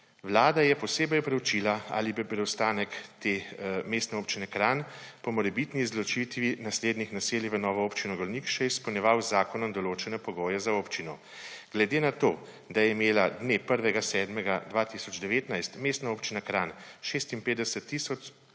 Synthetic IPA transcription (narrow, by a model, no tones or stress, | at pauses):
ʋlaːd̪ajɛpɔseːbɛjɔpɾɛwt͡ʃiːlaa̰libipɾɛwst̪aːnɛkt̪eːmeːst̪nɛoːpt͡ʃinɛkɾanpɔmɔɾɛbit̪nizlɔt͡ʃit̪ʋinasleːd̪nixnaseːljiʋənɔːʋɔoːpt͡ʃinɔɡɔlnikʃɛjɛispɔwnʲjɛʋawzːaːkɔnɔmd̪ɔloːt͡ʃɛnɛpɔɡoːjɛzaoːpt͡ʃinɔ | ɡ̥lɛd̪eːnat̪oː | d̪ajɛimeːlad̪nepəɾʋɛɡasɛːd̪mɛɡad̪ʋat̪isɔd͡ʒd̪ɛʋeːt̪najst̪meːst̪naoːpt͡ʃinakɾaːnʃest̪inpeːd̪ɛsɛt̪ːisɔt͡ʃ